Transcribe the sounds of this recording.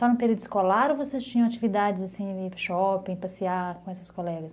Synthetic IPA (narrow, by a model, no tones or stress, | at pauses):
sɔnʊpeɾiuwd̪ʊiskolaɾovosest͡ʃĩɲɐ̃at͡ʃivid̪ad͡ʒɪzasĩɪʃɔpẽj̃pasiakõɛsɐskolɛɡɐs